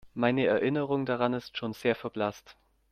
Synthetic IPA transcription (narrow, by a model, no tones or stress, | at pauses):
maɪnəɛɐʔɪnəʁ̞ʊŋdaʁanɪstʃoːnz̥eːɐfɛɐb̥last